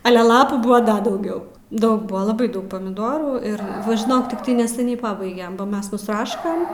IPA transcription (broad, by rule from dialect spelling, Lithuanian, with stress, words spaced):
ˈɑːlʲɛ ˈlˠɑːpuː ˈbʊɐ ˈdɐ dɐʊˈɡʲɛʊ ˈdɐʊk ˈbʊɐ lˠɐˈbɐɪ ˈdɐʊk pɐmʲɪˈdoːruː ɪr ˈʋɐ ʒʲɪˈnoːk tʲɪkˈtɐɪ nʲɛsʲɛˈnʲɛɪ ˈpɑːbɐɪɡʲɛm ˈmʲɛs nʊsˈrɑːʃkɐm